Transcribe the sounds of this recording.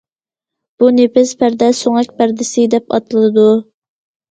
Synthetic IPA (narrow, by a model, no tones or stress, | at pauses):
b̥unepɪspʰæɾd̪ɛsoŋɛkʲbæɾd̪ɪsɪd̪ɛpɑ̰t̪ʰɨlˠɨd̪u